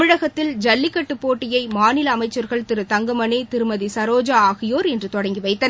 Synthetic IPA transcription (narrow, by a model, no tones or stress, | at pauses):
ɯɻɐɣɐt̪ːɪld͡ʒɐlːɪkːɐʈːɯpːoːʈːɪjɐɪmaːnɪlɐːmɐɪt͡ʃːɐɾɣɐɭt̪ɪɾɯt̪ɐŋɡɐmɐneːt̪ɪɾɯmɐðisɐɾoːd͡ʒaaːɣɪjoːɾɛndrɯt̪ɔɽɐŋɡiʋɐɪt̪ːɐn